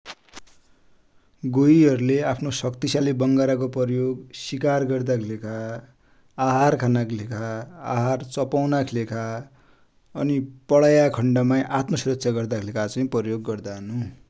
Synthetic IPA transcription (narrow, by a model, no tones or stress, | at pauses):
ɡoiɦʌɾuleapʰnosʌkt̪isalibʌŋɡaɾak̬oprʌrjoɡsikarɡʌrd̪akʰilekʰaː | ɦarkʰanakʰilekʰaaɦart͡sʌpawnakʰilekʰa | ʌnipʌɭajakʰʌɳɖʌmajʔat̪mʌsuɾʌt̪ːsʰaɡʌrd̪akʰilekʰat͡sʌĩprʌjoɡːʌrd̪aɦʌnu